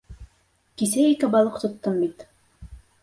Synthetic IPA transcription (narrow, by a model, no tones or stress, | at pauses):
kis̬æikɘbɑlˠɤqt̪ŏt̪ːɤmbit̪